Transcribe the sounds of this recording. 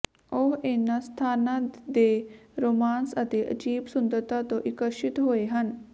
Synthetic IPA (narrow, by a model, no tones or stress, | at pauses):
oɦeːnast̪ʰaːnãd̪eɾoːmaːnsət̪eʔɐ̰d͡ʒiːbsʊnd̪əɾt̪at̪õʔɪkəʃɪt̪ɦoːeɦɐn